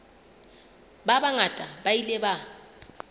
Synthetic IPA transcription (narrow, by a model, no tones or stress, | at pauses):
babaŋatʼabailɛba